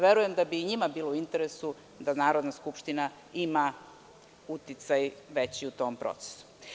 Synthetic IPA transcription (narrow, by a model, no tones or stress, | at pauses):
ʋeɾujemd̪abiɲimabiːlouint̪eɾesu | d̪anaːɾo̞d̪naskupʃt̪ina | ima | ut̪it̪sajʋe̞t͡ɕiut̪o̞ːmpɾo̰t̪se̥su̥